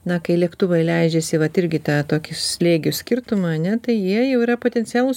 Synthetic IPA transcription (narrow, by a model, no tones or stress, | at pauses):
nɐkɐɪlʲiɛkt̪ʊʋɐɪlʲɛɪd͡ʒʲesʲɪʋɐt̪ɪɾʲɡʲɪt̪ɑːt̪oːkʲɪsʲlʲeːɡʲʊsʲkʲɪrt̪ʊmɑɐnʲɛt̪ɐɪjiɛjɛʊiːɾɐpoːt̪ʲɛnʲtt͡s̪ʲɪjæːlˠʊs